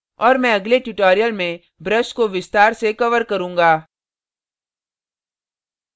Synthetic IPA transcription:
ɔːɾmɛ̃ɐɡleʈuʈoːɾijəlmẽ | bɾəskoʋɪst̪aːɾsekɐʋəɾkɐɾũːŋɡaː

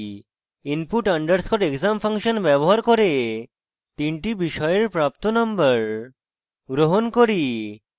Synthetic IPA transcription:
inpuʈəɳɖəɾskʰɔʈekzamfʰaŋʃənbɛboɦaɾkoɾe | t̪iɳʈibiʃɔjeɾpɾap̚t̪onɔmbəɾ | ɡɾoɦonkoɾi

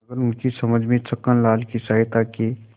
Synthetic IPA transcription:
ɐɡəɾʊnkisɐməd͡ʒʱmẽt͡ʃəkːənlaːlkisaːɦɪt̪ake

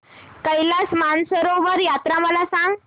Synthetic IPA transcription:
kəjlasmansəɾoʋəɾjat̪ɾaməlasãŋɡ

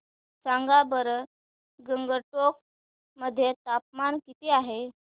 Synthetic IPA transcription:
t͡saŋɡabəɾ | ɡəŋɡəɾʈok̚ | məd̪ʱːjet̪ap̚mankit̪iaɦe

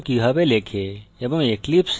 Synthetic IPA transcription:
kiɦɐbelekʰeebɐmeklips

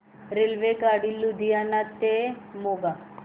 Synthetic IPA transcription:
ɾelʋekaɽilːud̪ʱijanat̪emoɡa

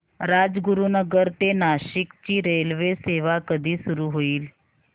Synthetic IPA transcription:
ɾad͡zɡuɾunəɡəɾt̪enaɕikt͡ɕiːɾelʋeseʋakəd̪ʱiːsuɾuːɦoiːl

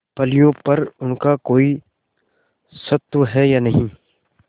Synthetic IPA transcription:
pɐlijõpɐɾʊnkakoːi | sɐt̪wəɦɛjaːnɐɦĩː

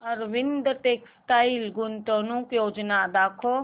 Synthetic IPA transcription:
əɾʋɪnd̪ʈeːksʈaːilɡʊnt̪oːnũkjoːd͡ʒnad̪aːkʰo

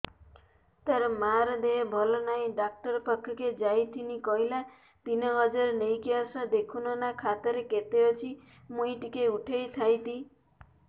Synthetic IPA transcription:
t̪aɾɔmaɾɔd̪eebʱɔlɔnaĩɖak̚ʈɔɾpɔkʰːɔked͡ʒajt̪ʰinikɔɦila | t̪inɔɦɔd͡ʒɔɾnejkiasɔ̃d̪ekʰunɔnakʰat̪ɔɾeket̪eɔt͡ʃʰi | mujʈikeuʈʰejt̪ʰajt̪i

